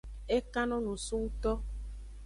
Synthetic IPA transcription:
e˦kã˦nɔ̃˦nũ˨su˦u˦t̪ɔ˦

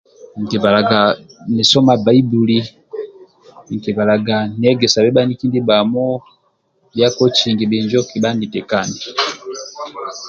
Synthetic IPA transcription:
ŋ̩˨ki˨βa˨la˨ɡa˨ni˨sɔ˦ma˨ba˨˦i˦bu˨li˦˨ | ŋ̩˨ki˨βa˨la˨ɡa˨n˨ɛ˦ɡɛ˨sa˨bɛ˦ba˦ni˦ki˦ndi˦ba˨mɔ˦ | bja˦kɔ˦t͡ʃi˨ŋɡi˨bɛ˨ɲd͡ʒɔ˦ki˨ba˦ndi˨tɛ˨ka˦˨ni˨

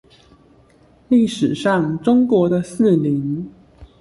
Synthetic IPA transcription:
li˥˩ʂɻ̩˨˩ʂɑ˥˩ŋʈ͡ʂʊ˥ŋkwɔ˨˧˥d̪ə˧sɹ̩˥˩li˧˥˦ŋ

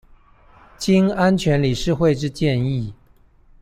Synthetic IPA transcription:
t͡ɕi˥ŋa˥nt͡ɕʰɥɛ˧˥nli˨˩ʂɻ̩˥˧xwe˥˧ɪʈ͡ʂɻ̩˥˧t͡ɕjɛ˥˧ni˥˩

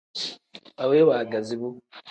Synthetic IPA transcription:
a˨weː˦waː˨ɡa˨zi˨βu˦

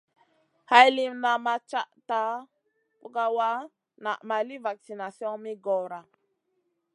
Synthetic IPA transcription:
ha˦jli˦mna˨ma˦t͡ʃa˦ʔta˦ | pu˦ɡa˦wa˦ | na̰˨ʔma˨li˦va˨k̚si˨na˨sjɔ̃˦ŋmi˦ɡɔ˨ɾa˨

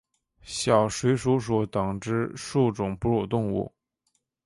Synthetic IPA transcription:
ɕjɑ˨˩ʊʂwe˧˥ɪʂu˧˥ʂ̬u˧˩t̪ɤ˨˩ŋʈ͡ʂɻ̩˥ʂu˥˩ʈ͡ʂʊ˨˩ŋpu˥ɻu˨˩t̪ʊ˥˧ŋṵ˥˩

